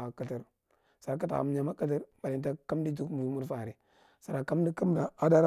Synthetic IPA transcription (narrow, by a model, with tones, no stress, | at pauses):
kə˨tə˨ɾ | sa˨ɾa˦k̬a˦ta̰˨a̰˨m˦ɲa˨ma˦kə˦t̬ə˦ɾba˨li˨nta˦ka˦m˦di˦d͡ʒu˦kmu˨u˦mu˦ɾfa˨ɾi˨ | sa˨ɾa˨ka˦m˦di˦ka˦m˦da˨a˦da˦ɾ